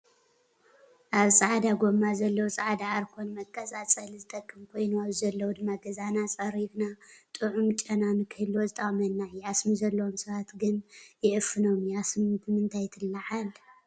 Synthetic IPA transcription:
ʔaβsʼaʕd̪aɡo̞mazɐlːɐwusʼaʕd̪aaɾkʰo̞nmɐkʼːɐsʼat͡sʼɐlzɨt̪ʼɐkʼːɨmkʰo̞jnuaβzɐlːɐwud̪ɨmːaɡɐzanat͡sʼɐɾiβnat̪ʼɨʕumt͡ʃʼɐnamɨkʰɨhlwozɨt̪ʼɐχʼmɐnːajɪasmizɐlːɐwomsɐβat̪ɡɨnjɪʔɨfːɨno̞mjasmbɨmɨnt̪ʰajt̪ʰɨlːaʕal

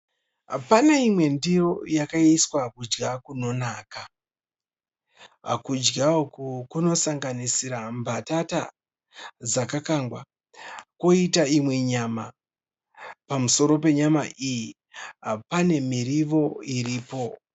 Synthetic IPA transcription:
ɦa̰panaimwe̞ndiro̞jakaiswakud͡ʒɡakuno̞naːka | ɦa̰kud͡ʒɡakukuno̞saŋɡanisiɾambʱatata̰ | d͡zakakaŋɡwa | ko̞itaimwe̞ɲama | pamuso̞ɾo̞pe̞ɲamaʔiji | ɦapane̞miriʋo̞iriːpo̞

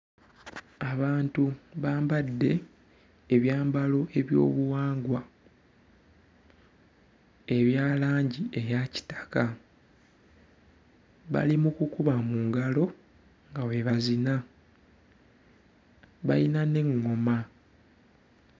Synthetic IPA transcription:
aβaːntuβaːmbadːe̞ː | βjaːmbalo̞ʔe̞βjo̞̰ːβuwaːŋɡwa | e̞βjaːlaːɲɟie̞jaci̥tḁka | βa̰limukukuβamuːŋɡalo̞ | ŋɡawe̞βazina | βa̰jinane̞ŋːo̞ma

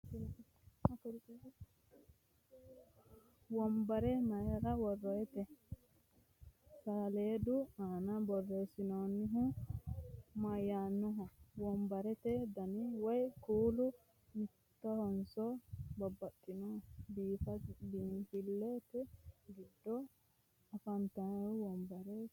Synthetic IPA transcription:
kɾ | wɔmbɐɾɛmɐjɐɾɐwɔrːɔjɛt̪ɛ | saːleːd̪ʊaːnɐbɔrːesɪnonːɪɦʊ | mɐjːanːʊɦɔwɔmbɐɾɛt̪ɛd̪ɐniwɔjkuːlʊ | mɪ | t̪ːɐhɔnsɔbɐbːɐt̪ʼːɪnɔbiːtɐbiːhɪlːeːt̪ɛɡɪd̪ːɔ | ɐfɐnt̪ɐwɔmbɐɾe

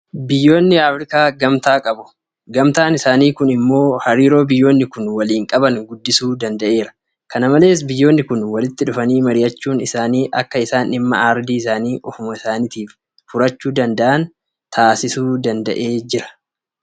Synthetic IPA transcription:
bɪjːo̞ːnːɪaːfɾɪkaːɡɐmt̪aːkʼɐbʊ̥ | ɡɐmt̪aːnɪsaːniːkʊnɪmːo̞ːhɐɾiːɾo̞ːbɪjːo̞ːnːɪkʊnwɐliːŋkʼɐbɐŋɡʊd̪ːɪsuːd̪ɐnd̪ɐʔe̞ːɾɐ̥ | kɐnɐmɐle̞ːs̬bɪjːo̞ːnːɪkʊnwɐlɪt̪ːɪᶑʊfɐniːmɐɾɪjɐt͡ʃːuːnɪsaːniːʔɐkːɐɪsaːnɪmːɐ̰aɾd̪iːɪsaːniːʔɔfʊmɐɪsaːnit̪iːf | fʊɾɐt͡ʃːuːd̪ɐnd̪ɐʔɐn | t̪ʰaːsɪsuːd̪ɐnd̪ɐ̰ʔe̞ːd͡ʒɪɾɐ̥

